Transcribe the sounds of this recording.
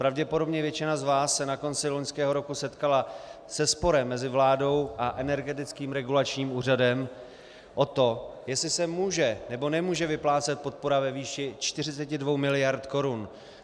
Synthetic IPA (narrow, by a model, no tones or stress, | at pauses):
pɾavɟɛpodo̞bɲɛvjɛt͡ʃɪnazvaːsːɛnako̞nt͡sɪloɲskɛːɦo̞ɾo̞kusɛt̪kala | sɛspo̞ɾɛmːɛzɪvlaːdo̞wʔaʔɛnɛɾɡɛt̪̬ɪt͡skiːmɾɛɡulat͡ʃɲiːmuːradɛm | ʔo̞t̪o̞jɛslɪsɛmuːʒɛnɛbo̞nɛmuːʒɛvɪplaːt͡sɛt̪̚po̞t̪̚po̞ɾavɛviːʃɪt͡ʃt̪ɪrɪt͡sɛcɪdvo̞wmɪlɪjaɾt̪ko̞ɾun